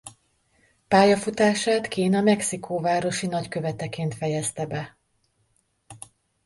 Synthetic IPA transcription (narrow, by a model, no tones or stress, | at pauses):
paːjɒfut̪aːʃaːt̪kiːnɒmɛksikʰoːvaːɾo̞ʃinɒckø̞vɛt̪ɛkeːnt̪fɛjɛst̪ɛbɛ